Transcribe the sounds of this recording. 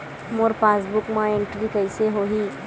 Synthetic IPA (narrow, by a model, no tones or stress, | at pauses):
moːɾpaːsbʊkmãẽɳʈɾikəɪseɦoɦi